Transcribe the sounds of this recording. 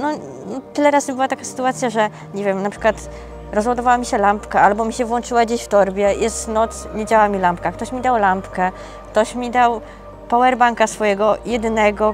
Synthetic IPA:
nɔ | nɔt̪ɘlɛɾazɘbɘwat̪akasɘ̥t̪uat̪sʲjaʐɛ | ɲɛvʲjɛmnapʂɨkwat̪ | ɾɔzwad̪ɔvawamʲiɕɛlampkaalbɔmʲiɕɛvwɔnt͡ʂɘwad͡ʑeɕft̪ɔɾbʲjɛjɛst̪nɔt̪sɲed͡ʑawamʲilampkakt̪ɔɕmʲid̪awlampkɛ | kt̪ɔɕmʲid̪aw | pawɛɾbaŋkasfɔjɛɡɔjɛd̪nɛɡɔ

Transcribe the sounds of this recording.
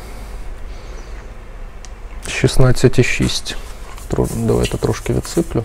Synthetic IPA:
ʃisnɑt͡sʲːɐtʲiʃḭsʲt̪ʲ | d̪ɐʋa̰jt̪ɛt̪ɾɔʃkɪʋʲḭt̪sɪplʲʊ

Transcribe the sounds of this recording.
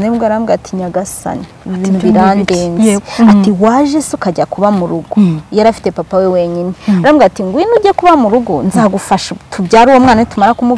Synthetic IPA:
neɡeaɾamɡatʰiɲaɡasa̰ni | inuβiɾandeːnzatiwaʒesekaɟakuβamuɾuɡojaɾafi̥tepapawewe̞ɲineɾaːmɡatiŋɡwinuɟekuβamuɾuɡonzaɡufaʃatʰubɟaːɾuwomŋaːnaitumaɾakumu

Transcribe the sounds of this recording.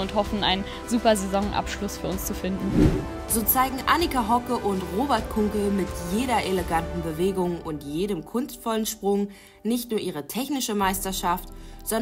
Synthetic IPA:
ʊnthɔfn̩aɪnn | zuːpɐzezɔŋʔa̰pʃlʊsfyːɐʊnst͡sufɪndn̩ | z̥oːt͡saɪɡŋ̩ʔanikaɦɔkəʔʊntʁoːbɛɐt̚kʰʊŋkl̩mɪtjeːɾɐʔeləɡantn̩bəveːɡʊŋʔʊntjeːɾəmkʰʊnstfɔlənʃpʁ̥ʊŋ | nɪçtnuːɐʔiːʁ̞ətʰɛçnɪʃəmaɪstɐʃaftz̥ɔn

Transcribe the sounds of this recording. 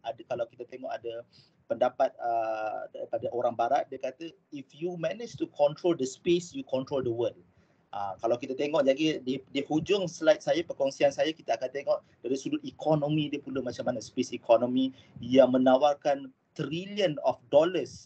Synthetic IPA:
adkalawkit̪at̪eŋɔʔada | pəndapat̪̚ədaipadaʔoɾaŋbaɾat̪̚diakat̪ə | ifjumɛnid͡ʒt̪ukʰɔ̃nt̪ɾoldəspesjukɔnt̪ɾoldəwəl | ʔakalawkit̪at̪eŋɔʔd͡ʒaɡididihud͡ʒʊŋsəlajt̪̚sajapəkɔŋsiansajakit̪aakant̪eŋɔʔ | daɾisudʊt̪̚ikʰɔnõmĩdiəpulamat͡ʃamanaspesikʰɔnõmĩ | jaŋmə̃nawarkan | t̪ɾiliənɔfdɔləs

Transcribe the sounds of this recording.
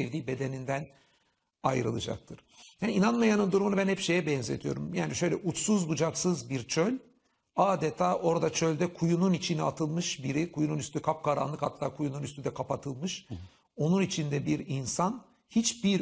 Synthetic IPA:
evd̪iːbe̞d̪e̞nind̪æn | ajɾɯ̰lˠɯ̰d͡ʒa̰k̚t̪ʰɯɾ̥jaːniinanmajanɯnd̪uɾumunabænhɛpʃe̞jɛbɛnze̞̰t̪ʰijo̞̰ɾumjaːniʃø̞jlʲɛʔut͡ʃsuzbud͡ʒaksɯzbiɾt͡ʃʰølʲ | aːd̪et̪ʰaːʔo̞ɾd̪at͡ʃʰø̞lʲd̪ɛkʰujununit͡ʃʰinat̪ʰɯlˠmɯʃbiɾikʰujununyst̪ʰykʰap̚kaɾa̰nlˠɯkha̰t̪ʰːaːkʰujununyst̪yd̪ɛkʰapat̪ʰɯlˠmɯʃ | o̞nunit͡ʃʰind̪ɛbiɾinsan | hit͡ʃbiɾ

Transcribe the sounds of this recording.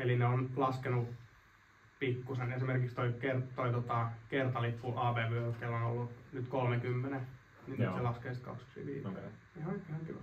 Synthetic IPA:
elineonlɑskenu | pikːusenesimerkikst̪oikert̪oit̪ot̪ɑkert̪ɑlipːuʔɑːʋeːʋykelːono̰lːunyt̪kolmekymːene | ninːiselɑskeːsit̪kɑ̰ksu̥sḭʋḭːoke | oikehɑki

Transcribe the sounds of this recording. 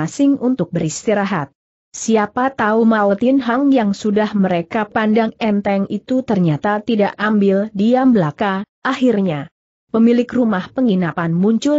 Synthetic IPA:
asɪŋunt̪ʊk̚bəɾist̪iɾaɦat̪̚ | siapat̪aumaut̪ɪnɦaŋjaŋsudahməɾekapandaŋɛnt̪ɛŋit̪ut̪ərɲat̪at̪idaʔambɪldiambəlakaʔahirɲa | pəmilɪkrumahpəŋinapanmuɲt͡ʃʊ

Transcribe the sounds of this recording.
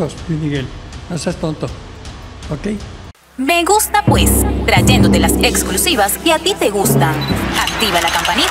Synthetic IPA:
ospimiɣelnosest̪ont̪o | okej | me̞ɣust̪apwe̞st̪ɾaʝe̞nd̪o̞t̪e̞laseksklusiβaskeat̪it̪e̞ɣust̪aak̚t̪iβalakampani

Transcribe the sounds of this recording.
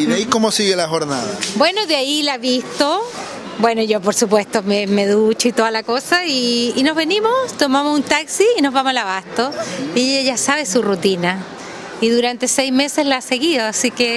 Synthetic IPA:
iðaikomosiɣelaxoɾna̰ða̰bwe̞noðeailaβist̪o | bwe̞noʝop̬oɾsup̬we̞st̪omemeðut͡ʃoit̪oðalakosaiːno̞zβenimost̪o̞mamosunt̪aksiːno̞zβamosalaβast̪oiejaʝasaβesurut̪ina | iðuɾant̪e̞sejzmesezlaase̞ɣiðoasike

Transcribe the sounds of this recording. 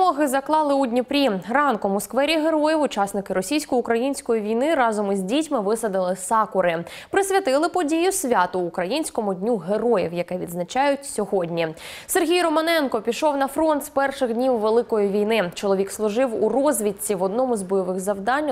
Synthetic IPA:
ɔɦɪzɐklˠɑlˠɪudʲnʲipɾʲimrɑnkɔmʊskʋɛɾʲiɦeɾɔjiwʊt͡ʃɑsnɪkɪɾɔsʲijsʲkɔjʊkɾɐjinʲsʲkɔjiʋʲijnɪɾɑzɔmizʲdʲitʲmɪʋɪsɐd̪ɪlˠɪsɑkʊɾɪ | pɾɪsʲɐt̪ɪlˠɪpɔdʲijʊsʲʋʲɑt̪ʊːkɾɐjinʲsʲkɔmʊdʲnʲuɦeɾɔjiwjɐkɛʋʲid̪znɐt͡ʃɑjʊtʲsʲɔɦɔdʲnʲi | serɦʲijrɔmɐnɛnkɔpʲiʃɔwnɐfɾɔnt̪spɛrʃɪɣdʲnʲiwːelˠɪkɔjiʋʲijnɪt͡ʃɔlˠɔʋʲikslˠʊʒɪwurɔzʲʋʲitʲt͡sʲiʋɔd̪nɔmʊzbɔjɔʋɪɣzɐwd̪ɑnʲː

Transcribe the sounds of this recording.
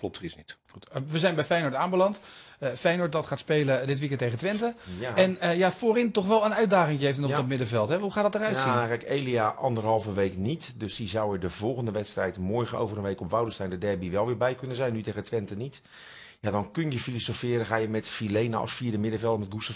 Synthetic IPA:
klɔp̚tərisnit | utʋəzɛjnbɛjfɛjnoɹtaːmbəlɑntəfɛjnoɹt̚dɑtχaːtspejlədɪtʋik̬ɛntːejχəntʋɛntəɛnəjafoːrɪntɔχʋɛlˠənœɥt̚daːχɪŋəejftnɔχdɔtmɪdəvɛlˠtɦɛɦuχaːtdɔtərœɥtsikɛjkejliaʔɑndərɦɑlˠvəʋejknitdøsizawədəvɔlˠχəndəʋɛtstrɛjtmoɹɣəno̰wvərənʋejkɔpʋawdəstɛjndədɛrbiʋɛlˠʋɪːɹbɛjkønənzɛjnːyteɣəntʋɛntənit | jadɔnkønjəfilosofɪːrəχaːjəmɛtfilejnə̰sfiːɹdəmɪdəvɛlˠtmɛt̚ɡustɔ

